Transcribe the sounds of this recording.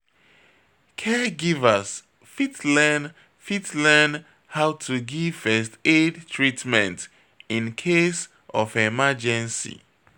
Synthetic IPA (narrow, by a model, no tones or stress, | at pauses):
kʰɛɡivəs | fitlɛn | fitlɛn | haʊtʰuɡiv̥fɛstedtʰɹitmɛ̃nt | ĩnkʰes | ʔɔfemad͡ʒɛ̃nsḭ